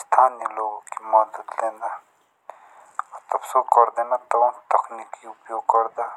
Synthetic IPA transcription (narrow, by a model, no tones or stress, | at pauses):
st̪ʰaːnjeloːɡõkimɐd̪əd̪lẽːnd̪a | ɔt̪ɐbsokɐɾd̪eːnat̪ɐbt̪ɐkʰnikiʊpjoːɡ̚kɐɾd̪aː